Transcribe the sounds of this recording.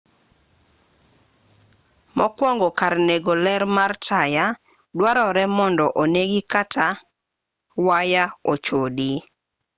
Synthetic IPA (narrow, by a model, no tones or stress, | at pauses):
mɔkwɔŋɡɔkarneɡolɛɾmartʰaja | dwaɾɔɾɛmɔndɔʔoneɡikatʰa | wajaot͡ʃodi